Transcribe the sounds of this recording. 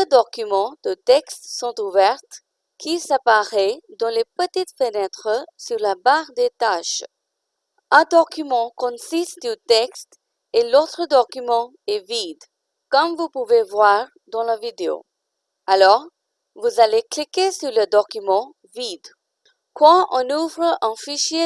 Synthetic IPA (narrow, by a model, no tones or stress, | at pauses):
d̪əd̪ɔkymɑ̃d̪̥ət̪ɛkst̪sɔ̃t̪uvɛʁt̪ | kisapaʁɛd̪ɑ̃lepət̪it̪fənɛt̪χəsyʁlabaʁd̪et̪aʃ | ɛ̃d̪ɔkymɑ̃kɔ̃sist̪d̪yt̪ɛkst̪ | elot̪χəd̪ɔkymɑ̃ | ɛvid̪ | kɔmvupuvevwaʁ | d̪ɑ̃lavid̪eo̰ | alɔʁ | vuzaleklikesyʁləd̪ɔkymɑ̃ | vid̪ | kwɑ̃ʔɔ̃nuvʁəɛ̃fiʃje